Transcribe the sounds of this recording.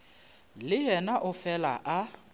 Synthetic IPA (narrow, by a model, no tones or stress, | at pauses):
lɪɦɛnaʔʊfɛla̰ʔa